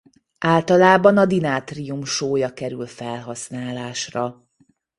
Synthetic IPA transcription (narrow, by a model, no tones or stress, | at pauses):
ʔaːlt̪ɒlaːbɒnɒd̪inaːt̪rijumʃoːjɒkɛɾylfɛlɦɒsnaːlaːʃrɒ